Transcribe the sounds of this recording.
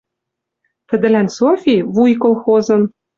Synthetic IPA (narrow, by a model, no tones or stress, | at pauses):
t̪ɘ̆d̪ɘ̆lænsofʲiβujkolˠxozɤ̆n